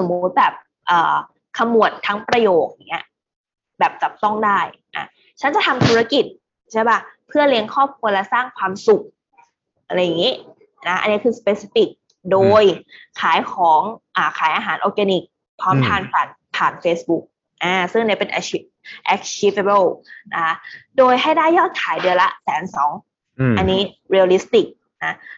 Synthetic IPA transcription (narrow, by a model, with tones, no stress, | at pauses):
so˩˦mːu˦˥t̪̚bɛː˨˩p̚ | ʔɤː˨˩ | kʰa˧mːu˨˩ənt̪ʰːa˦˥ŋpɾa˧joː˨˩k̚ni˦˥ɐ | bɛː˨˩p̚t͡ɕa˨˩p̚t̪ɔ˥˩ŋdaː˥˩jʔa̰˧˩ | t͡ɕʰa˦˥nt͡ɕa˨˩t̪ʰa˧mt̪ʰu˦˥a˧ki˨˩t̪̚ | t͡ɕʰaː˦˥˩jba˥˩pʰɯ˥˩ɐli˧əŋkʰɔː˥˩p̚kʰu˧əlɛ˦˥saː˥˩ŋkʰwaː˧msu˨˩k̚ | ʔa˧ɾa˧jːa˨˩ŋi˦˥ | na˦˥ʔa̰˧nːi˦˥kʰɯː˧sa˧peː˧si˧˥fi˨˩k̚ | doː˧jkʰaː˩˦jkʰɔː˩˦ŋʔaː˨˩kʰaː˨˩˦jʔaː˧ɦaː˩˦nʔɔː˧k̚ɡɛ˧ni˨˩k̚ | pʰɔː˦˥mt̪ʰaː˧npʰaː˨˩n | pʰaː˨˩nfeː˦˥sbu˦˥k̚ | ʔaː˧˩sɯ˥˩ŋniː˦˥pe˧nʔɛ˧˥i˦˥ʔɛ˧˥k̚t͡ɕʰi˦˥fe˧be˥˩lna˦˥kʰa˦˥doː˧jɦa˥˩jdaː˥˩jːɔː˥˩t̪̚kʰaː˩˦jdɯ˧ɐla̰˦˥sɛː˩˦nsɔː˩˦ŋ | ʔa˧nːiː˦˥ | ɾi˧li˦˥st̪i˨˩k̚ | na˦˥